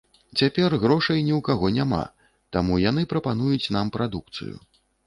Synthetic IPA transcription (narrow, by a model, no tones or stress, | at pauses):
t͡sʲapʲɛrɣɾɔʂɐjnʲiwkaɣɔnʲama̰ | t̪amujan̪ɨpɾɐpanujut͡sʲn̪ampɾad̪uk̚t̪sɨ̰jṵ